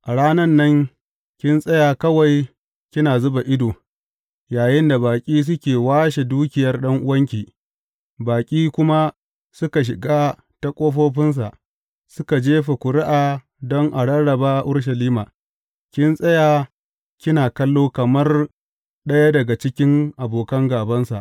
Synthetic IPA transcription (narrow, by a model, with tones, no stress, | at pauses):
ʔa˨ɽaː˦nɐ˦nːɐ˦ŋ | kʲɪ˦nsʼɐ˦jaː˨kɐ˦wa˨j | kʲɪ˦naː˨zʊ˦ba˨ʔɪ˦doː˨ | jaː˨jɪ˦nda˨baː˨kʲʼiː˦s̬ʊ˦kʲeː˨waː˦ʃe˨duː˦kʲɪ˨jɐ˦rɗɐ˦ŋʔʊ˦wɐ˦ŋk̬ʲiː˨ | baː˨kʲʼiː˦kʷʊ˦ma˦ | sʊ˦ka˨ʃ̬ɪ˨ɡaː˦ | ta˦kʷʼoː˦ɸoː˦ɸɪ˦ns̬a̰˨ʔ | sʊ˦ka˨d͡ʒeː˦ɸe˨kʷʊ˨ɾɪ˦ʔaː˨ | dɔ˦ŋʔa˨ɽɐ˦ɽɽɐ˨baː˦ʔa˨ʔʊ˦rʃ̬ɐ˨liː˦maː˨ | kʲɪ˦nsʼɐ˦jaː˨ | kʲɪ˦naː˨kɐ˦lːoː˦kɐ˨mɐ˦r | ɗɐ˦ja˦dɐ˨ɡa˨t͡ʃɪ˦kʲɪ˦ŋʔa˨boː˨kɐ˦ŋɡaː˨bɐ˦nsa̰˨ʔ